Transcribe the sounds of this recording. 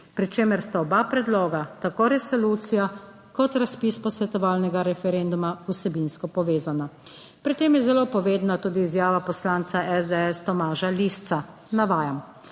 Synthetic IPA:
pɾit͡ʃeːmɛɾst̪aɔbapɾɛd̪loːɡat̪akoːɾɛsɔluːt̪sija | kɔt̪ɾaspiːspɔsʋɛt̪ɔʋaːlnɛɡaɾɛfɛɾɛnd̪umausɛbinskɔpɔʋeːzana | pɾit̪eːmjɛzɛloːpɔʋeːd̪nat̪uːd̪iːzjaːʋapɔslaːnt̪saʔɛzd̪ɛɛst̪ɔmaːʒalist̪sa | naʋaːjam

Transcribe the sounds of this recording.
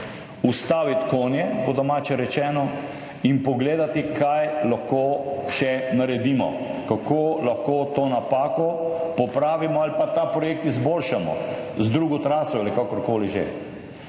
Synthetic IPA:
ust̪aːʋit̪koːnjɛbod̪ɔmaːt͡ʃɛɾɛt͡ʃɛːnɔ | inpɔɡleːd̪at̪ikʰajlaxkoːʃɛnaɾɛd̪iːmɔ̰ | kakʰoːlaxkoːt̪oːnapaːkɔpɔpɾaːʋimɔalipat̪apɾɔjeːk̚t̪izboːlʃamɔ̰zd̪ɾuːɡɔt̪ɾaːsɔalikakɔɾkoːliʒḛ

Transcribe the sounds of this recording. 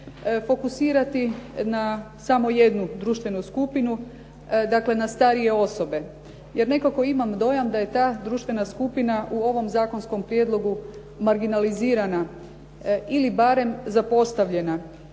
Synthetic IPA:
fo̞kusiːɾat̪ina | samo̞je̞d̪nud̪ɾuːʃt̪ʋe̞nuskupinu | d̪akle̞nast̪aɾije̞o̞so̞be̞ | je̞ɾne̞koko̞imamd̪o̞jamd̪aje̞t̪aːd̪ɾuːʃt̪ʋe̞naskupinaʔuo̞ʋo̞mzaːko̞nsko̞mpɾjed̪lˠo̞ɡu | maɾɡinaliziːɾana | ilibaːɾe̞mzapo̞st̪aʋʎe̞na

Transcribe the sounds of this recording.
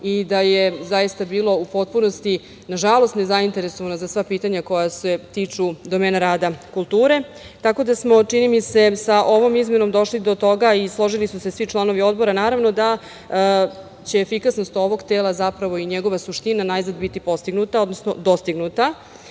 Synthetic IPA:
id̪aje̞zajist̪abiːlo̞upo̞t̪̚puno̞st̪i | naʒalˠo̞st̪ne̞zaint̪e̞ɾe̞so̞ʋanozasʋapiːt̪aɲako̞jase̞t̪iːt͡ʂud̪o̞me̞ːnaɾaːd̪akulˠt̪uːɾe̞ | t̪ako̞d̪asmo̞t͡ʂinimise̞saʔo̞ʋo̞mizme̞no̞md̪o̞ʃlid̪o̞t̪o̞ɡaislˠo̞ʒilisuse̞sʋit͡ʃlˠano̞ʋio̞d̪bo̞ɾanaːɾaʋno̞d̪a | t͡ɕe̞ːfikasno̞st̪o̞ʋo̞ɡt̪eːlˠazapɾaʋo̞iɲeɡo̞ʋasuʃt̪inanajznad̪bit̪ipo̞st̪iɡnut̪ao̞d̪nosno̞d̪o̞st̪iɡnut̪a

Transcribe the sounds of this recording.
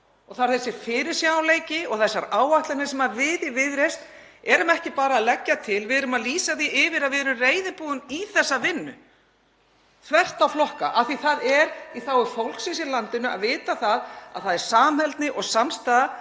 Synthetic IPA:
ɔɣθaɾ̥θɛsːɪɾ̥fɪːɾɪɾ̥sjawleːjcɪɔɣθɛsːaɾaːwaht̪lanɪ̥sɛmaɾvɪðɪvɪðɾejst̪ | ɛɾʏmɛhcɪpaːɾaːðlɛcːat̪ʰɪlvɪðɛɾʏmaðliːsaθiʔɪvɪɾaðvɛːɾʏreːjðɪpuːðʏniθɛsːavɪnːʏ̰ | θʰvɛr̥t̪awflɔhka̰ʔaθiθaðɛɾiθawʏɾfowlksis̬ɪɾlant̪ɪnʏa̰ðvɪːt̪aθaða̰ðθaðɛɾ̥saːmhɛlt̪nɪʔɔɣsamst̪aːða

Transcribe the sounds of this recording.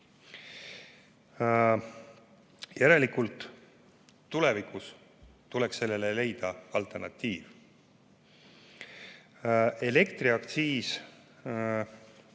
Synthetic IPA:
jæɾe̞likult̪ˑː | ule̞vikus | t̪ulekse̞lːe̞lele̞jd̪̥ɑɑlt̪ˑernɑt̪ːiːv | e̞le̞kt̪riɑkt̪siːs

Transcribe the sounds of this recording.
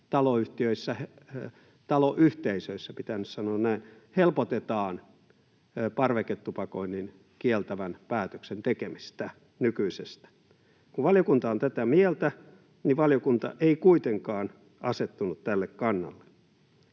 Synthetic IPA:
t̪ɑloyht̪iøisːæhe | t̪ɑloʔyht̪eisøisːæpit̪ænyssɑnoːnnæin | helpot̪et̪ɑːn | pɑrʋeket̪ːupɑkoinːin | kielt̪æʋænpæːt̪øksent̪ekemist̪æ | nykyisest̪æ̥ | kuʋʋɑljokunt̪ɑont̪æt̪æmielt̪æ | niʋʋɑljokunt̪ɑ̰ʔeikuit̪eŋkɑːn | ɑset̪ːunut̪t̪ælːekkɑnːɑ̰lːe̥

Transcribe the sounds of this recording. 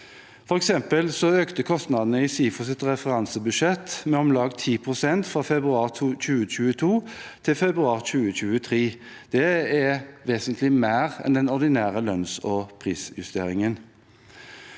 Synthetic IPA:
fɔʁɛksɛmpəlsɔøːkt̪əkʰɔst̪nɑd̪nəɪsiːfɔsɪt̪ʁɛfəʁɑnsəbʉʃɛt̪ːmɛɔmlɑːɡt̪ʰiːpʰʁʊsɛnt̪fʁɑfɛbʁʉɑːʁc͡çʉːət͡ʃʉːət̪ʰuːt̪ʰɪlfɛbɾʉɑːʁc͡çʉːəc͡çʉːət̪ʰʁiː | d̪̥ɛæʋeːsənt̪ʰlɪmæːʁɛ̰nd̪ɛnɔʁd̪ɪnæːʁəlœnsɔpʰʁiːsjʉst̪ḛːʁɪŋən

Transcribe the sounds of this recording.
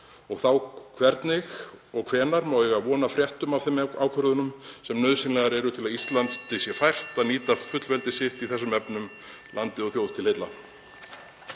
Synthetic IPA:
ɔɣθawkʰvɛɾt̪nɪxɔɣkʰv̥ɛːnaɾmawɛɣaðvɔːnafɾjɛht̪ʏmavθɪmaːwkʰœɾðʏnʏmsɛmnœðsɪnlɛɣaɾɛɾʏt̪ʰɪlaðist̪lant̪st̪ɪsjɛfajr̥t̪aðniːt̪afʏt̪lvɛlt̪ɪsɪht̪iθɛsːʏmɛpnʏm | lant̪ɪɔɣθjowð̥t̪ʰɪlhɪt̪la̰

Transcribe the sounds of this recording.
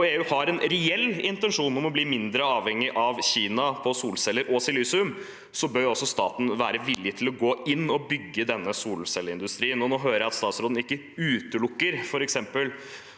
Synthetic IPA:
eːʉːhɑɾɛnɾɛɛlːɪnt̪ənʂuːnɔmɔbliːmɪnd̪ɾəɑːʋhɛŋːɪʔɑʋçiːnɑpʰɔsuːlsɛlːəɾʔɔsɪlysʉm | sɔbœɾɔsːɔst̪ɑ̰ːt̪n̩ʋæːɾəʋɪlːɪt̪ʰɪlɔɡoːɪnːɔbʏɡːəd̪ɛnːəsuːlsɛləɪnd̪ʉst̪ɾiːənɔnoːɦøːɾəjæɑt̪st̪ɑːt̪sɾoːd̪n̩ɪkːə | ʉːt̪əlʊkːəɾfɔɾɛksɛmpəl

